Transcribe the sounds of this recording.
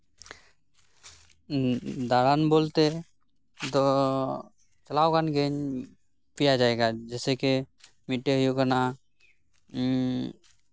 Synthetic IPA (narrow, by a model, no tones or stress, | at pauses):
d̪aɾanbolt̪e | t̪ɔ | t͡ʃəlawkanɡeɲ | pijad͡ʒaeɡad͡ʒɛːseke | miʈːeɦəjukana